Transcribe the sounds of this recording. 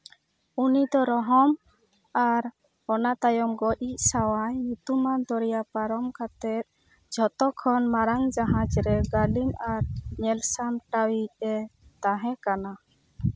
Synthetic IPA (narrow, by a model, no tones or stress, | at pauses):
unid̪ɔɾɔɦɔm | aɾ | ɔnat̪ajɔmɡɔʔiʔsawajɲut̪umand̪ɔɾjapaɾɔmkʰat̪ɛt̪̚ | d͡ʒʱɔt̪ɔkʰɔnmaɾaŋd͡ʒaɦãt͡ʃɾɛɡalinaɾɲɛlsamʈawiɛt̪aɦɛ̃kana